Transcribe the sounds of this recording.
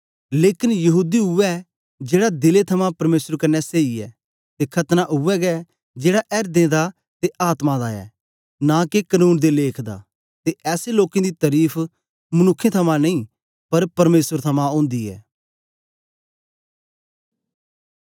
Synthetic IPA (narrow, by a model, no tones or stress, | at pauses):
leːkɪnjɐɦuːd̪iɦʊɛ | d͡ʒeːɽad̪ɪlet̪ʰɐmãpɐɾmeːsəɾkɐnːɛseːiɛː | t̪ekʰɐt̪naʔʊʋɛɡɛ | d͡ʒeːɽaʔɛːɾd̪ẽːd̪a | t̪eʔaːt̪mãd̪aɛ̰ː | nãːkekənuːnd̪eleːkʰd̪a̰ː | t̪eʔɛːseloːkẽd̪it̪ɐɾiːpʰ | mʊnʊkʰːẽt̪ʰɐmãnɐĩː | pɐɾpɐɾmeːsəɾt̪ʰɐmãõːnd̪iɛ̰ː